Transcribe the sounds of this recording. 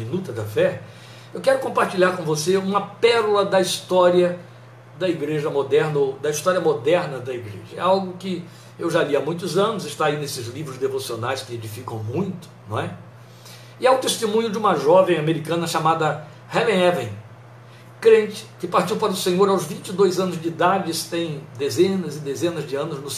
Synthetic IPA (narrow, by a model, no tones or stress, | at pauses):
mĩnut̪ɐd̪ɐfɛ | ewkɛɾʊkõmpaɾt͡ʃiʎaɾkõvoseũmɐpɛɾulɐd̪ɐist̪ɔɾiɐ | d̪ɐiɡɾeʒɐmod̪ɛɾnɐod̪ɐist̪ɔɾiɐmod̪ɛɾnɐd̪ɐiɡɾḛʒɐɛ̰awɡʊkɪ | ewʒaliamũj̃t̪ʊzɐ̃nʊzɪst̪ainesɪzlivɾʊzd̪evosionajskɪed͡ʒifikɐ̰̃w̃mũj̃t̪ʊ̥ñɛ | ɪɛʊt̪est̪emũɲʊd͡ʒɪũmɐʒɔvẽj̃ameɾikɐ̃nɐʃamad̪ɐ | hɛlẽɛvẽn | kɾẽnt͡ʃɪ̥kɪpaɾt͡ʃiwpaɾɐʊsẽɲoɾawzvĩt͡ʃɪd̪ojzɐ̃nʊzd͡ʒɪid̪ad͡ʒɪsɪ̥t̪ẽj̃d̪ezẽnɐzɪd̪ezẽnɐzd͡ʒɪɐ̃nʊznʊ